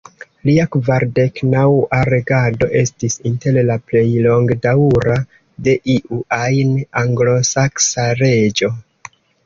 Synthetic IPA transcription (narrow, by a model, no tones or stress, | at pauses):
liakvaɾde̞knawaɾe̞ɡado̞ʔe̞stisinte̞llaple̞jlo̞ŋɡdauɾa | de̞ʔiʔuajnaŋɡlo̞saksaɾe̞d͡ʒo̞